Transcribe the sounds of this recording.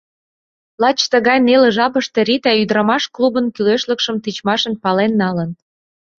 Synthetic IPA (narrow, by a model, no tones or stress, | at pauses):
lɑt͡ɕt̪əɣɑjnelĕʒɑpəʃt̪ĕɾit̪æyd̪ɾɑmɑʃklubənkyleʃlə̆kʃəmt̪it͡ɕmɑʃə̆npɑlenːɑlən